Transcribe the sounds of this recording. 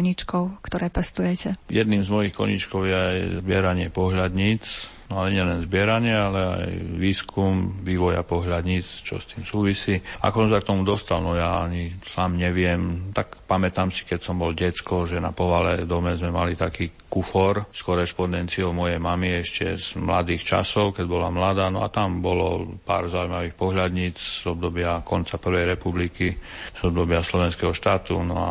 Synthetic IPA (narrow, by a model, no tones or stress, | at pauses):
ɲit͡ʃkɔʊkt̪ɔɾɛːpɛst̪ujɛcɛjɛd̪niːmzmɔjixkɔ̰ɲḭt͡ʃkɔʊjɛajzbɪɛɾaɲɪɛpɔɦʎad̪ɲit͡snɔaɲɛlɛnzbɪɛɾaɲɪɛalɛa̰jʋiːskʰumʋiːʋɔja̰pɔɦlad̪ɲit͡st͡ʃɔ̰st̪iːmsuːʋisiːa̰kɔsɔ̃msak̚t̪ɔmud̪ɔst̪alnɔjaaɲisaːmɲɛʋɪɛmt̪akpamɛt̪aːmsi̥kɛcsɔmbɔlɟɛt͡skɔʒɛnapɔʋalɛd̪ɔmɛzmɛmalit̪akiːkufɔɾskɔɾɛʃpɔnd̪ɛnt͡siɔmɔjɛjmamiɛʃcɛ̰z̥mla̰d̪iːxt͡ʃa̰sɔʊkɛɟbɔlamlad̪aːnɔa̰t̪ambɔlɔ̰pa̰ːɾzaujmaʋiːxpɔɦʎad̪ɲiːt͡szɔb̚d̪ɔbɪakɔnt͡sapr̩ʋɛjɾɛpublikiz̥ɔbd̪ɔbɪaslɔʋɛnskɛɦɔʃt̪aːt̪ṵnɔ̰a̰